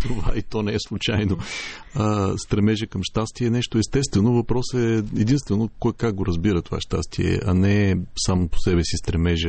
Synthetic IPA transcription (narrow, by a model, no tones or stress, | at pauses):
t̪ova̰it̪ɔnɛɛslˠut͡ʃajnoəst̪ɾɛmɛʒɛkɐmʃt̪ast̪iɛnɛʃt̪oɛst̪ɛst̪vɛnovɐpɾɔsɛɛd̪inst̪vɛnokɔkaɡ̚ɡoɾɐzbiɾət̪ova̰ʃt̪a̰st̪iɛ̰ɐ̰nɛsamopo̥sɛbɛsist̪ɾɛmɛʒɛ